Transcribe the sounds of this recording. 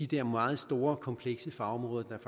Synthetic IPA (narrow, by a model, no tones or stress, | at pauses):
id̥eɐmɑ̈ːð̞̩ˠsd̥o̝ːɐkʰɒ̽mpʰleɡ̥səfɑ̈ɒ̽mʁɔ̽ːðˠɐd̥ɑ̈f